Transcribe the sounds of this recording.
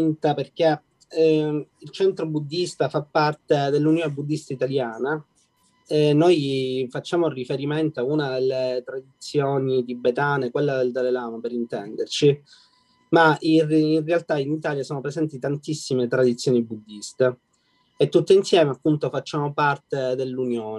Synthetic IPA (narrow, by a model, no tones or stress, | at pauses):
nt̪aperk̟e | ilt͡ʃɛnt̪ɾobud̪ːist̪afapːart̪ed̪elːunjoːnebud̪ːist̪ait̪aljaːna | ɛnojfat͡ʃːaːmorifeɾiment̪oaunad̪elːet̪ɾad̪it̪sːjoːnit̪ibet̪aːnekwelːad̪eld̪alelaːmopeɾint̪ɛnd̪ert͡ʃi | maiːnrealt̪ainit̪aːljasoːnopɾezɛnt̪it̪ant̪isːimet̪ɾad̪it̪sjoːnibud̪ːist̪e | et̪ːut̪ːeinsjɛːmeapːunt̪ofat͡ʃːaːmopart̪ed̪elːunjoːn